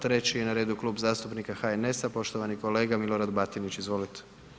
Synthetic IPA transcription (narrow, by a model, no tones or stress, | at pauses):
t̪ɾe̞t͡ɕijenaɾeːd̪ukluːbzaːst̪upnikaxaene̞sapo̞ʃt̪oʋaniko̞le̞ːɡamiloɾad̪bat̪init͡ɕizʋo̞lit̪e̥